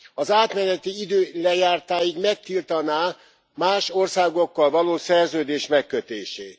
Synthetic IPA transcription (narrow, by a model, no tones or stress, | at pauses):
ɒzaːt̪mɛnɛt̪iid̪øːlɛjaːrt̪aːjiɡmɛk̚t̪ilt̪ɒnaː | maːʃo̞rsaːɡo̞kːɒlvɒloːsɛrzøːd̪eːʃmɛkːøt̪eːʃeːt̪